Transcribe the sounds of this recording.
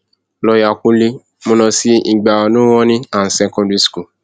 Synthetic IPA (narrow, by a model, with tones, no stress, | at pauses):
lɔ˧ja˨kũ˦li˧ | mũ˧nɔ̃˧si˦i˧˨ɡ͡ba˨wa˨nũ˦w̃ɔ̃˦nĩ˦a˦˨n̩˨sɛ̃˧˨kɔ̃˧di˦sku˦˨